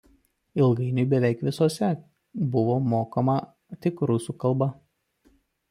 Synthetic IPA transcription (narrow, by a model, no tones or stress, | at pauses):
ɪlˠɡɐɪnʲʊɪbʲɛʋʲɛˑɪkʋʲɪsoːsʲɛ | bʊʋoːmoːkɐmɐ | t̪ʲɪkɾʊsuːkɐlˠˑbɐ